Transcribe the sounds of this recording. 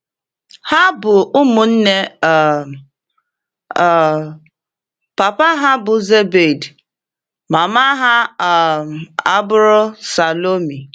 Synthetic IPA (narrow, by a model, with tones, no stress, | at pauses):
ha˦bʊ˨ʊ˦mʊ˨n̩˦ne˦˨ | pa˨pa˦ɦa˦bʊ˨ze˦be˨d | ma˨ma˦ɦa˦˨ | a˦bʊ˦ɾʊ˦sa˨lo˦mi˨